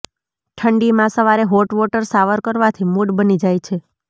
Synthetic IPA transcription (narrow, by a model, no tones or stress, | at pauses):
ʈʰəɳɖimãsəʋaɾeɦoʈʋɔʈəɾsaʋəɾkəɾʋat̪ʰimuɖbənid͡ʒajt͡ʃʰe